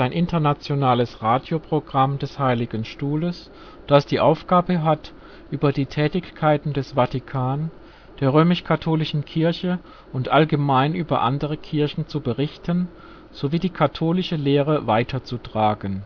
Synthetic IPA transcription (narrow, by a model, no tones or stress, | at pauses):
aɪnʔɪntɐnat͡sjonaːləsʁaːdjopʁ̥oɡʁamdɛshaɪlɪɡənʃtuːləs | d̥asd̥iːʔaʊfɡ̥aːbəɦat | ʔyːbɐdiːtʰɛːtɪçkʰaɪtn̩dɛsv̥atikʰaːn | d̥eːɐʁøːmɪʃkʰatʰoːlɪʃn̩kʰɪɐçə | ʔʊntʔalɡəmaɪnʔyːbɐ̰ʔa̰ndəʁ̞əkʰɪɐçn̩t͡subəʁɪçtən | z̥oviːdiːkʰatʰoːlɪʃəleːʁəvaɪtʰɐt͡sutʁ̥aːɡən